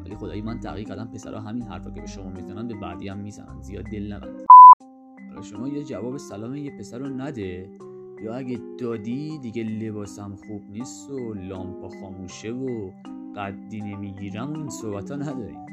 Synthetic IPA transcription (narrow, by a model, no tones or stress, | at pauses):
væ̰liːxo̞d̪ɒ̰ːjimænt̪ʰæ̰ɣiːæd̪æmpʰe̞sæ̰ɾʔɒ̰ːɦæminɦæ̰ɾfɒ̰ːcʰebeʃo̞mɒːmizænænbebæ̰d̪iːæmːizæ̰næ̰nd̪zijɒ̰ːd̪ːelnævæ̰nd̥̪ | ɒlɒ̰ʃo̞mɒːjed͡ʒævɒːbesælɒːmijepʰe̞sæɾonæd̪e | jɒːæɟed̪ɒːd̪id̪iɟele̞bɒːsæmxub̥niːst̪olɒːmpʰɒxɒːmuːʃevo | ɢ̥æd̪ːinemiɟiːɾæmoinso̞hbæt̪ʰɒnæd̪ɒːɾḭ̥ː